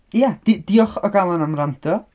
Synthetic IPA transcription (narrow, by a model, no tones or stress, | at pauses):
jad̥id̥iɔχɔɡalˠanamrandʰɔ